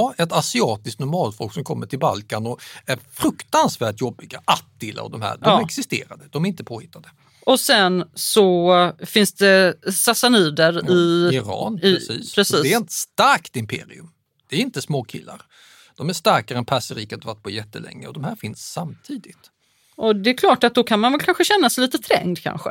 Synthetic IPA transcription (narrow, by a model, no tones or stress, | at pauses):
ɛt̪asɪɑːt̪ɪsknʊɾmɑːlfɔːksɔmkʰɔmːəʈʰɪlbalkanɔæɾfɾɵkt̪ansvæːʈjɔbːɪɡaʔat̪ːɪla̰vd̪ɔmhæ̰ːdɔmɾɛksɪst̪ḛːɾad̪əd̪ɔmæɾɪnt̪əpʰoːhɪt̪ːad̪ə | ɔsɛnsɔfɪnsd̪ɛsasaniːd̪əɾɪɪɾɑ̰ːnɪsḭːpʰɾɛsiːɛɛɾɛnt̪st̪aɾkt̪ɪmpʰḛːɾɪ̰ɵm | d̪̥ɛæɾɪnt̪əsmoːkʰɪ̰lːa̰ɾ | d̪̥ɔmæʂt̪aɾkaɾəɛnpʰæsəɾiːkat̪vaʈ̚pʰɔjɛt̪ːəlɛ̰ŋːəɔd̪ɔmhæːɾfɪnsːamt̪ʰiːd̪ɪt̪ | ʔɔd̪ɛːkʰlɑːʈat̪̚d̪ɔkʰanmanvɛlkʰanɧəɕɛnːasɛliːt̪ət̪ʰɾɛ̰ŋd̪kʰa̰nɧə̰